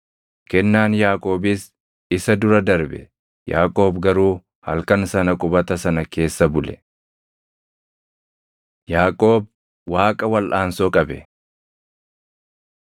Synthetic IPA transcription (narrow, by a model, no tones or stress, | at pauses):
kɛnːaːnjaːkʼo̞ːbɪs | ɪsɐd̪ʊɾɐd̪ɐɾbɛ̰ | ja̰ːkʼo̞ːbɡɐɾuː | hɐ̰lkɐnsɐnɐkʼʊbɐt̪ɐsɐnɐke̞ːsːɐbʊlɛ | jaːkʼo̞ːb̚ | waːkʼɐwɐlʔaːnsokʼɐbɛ̰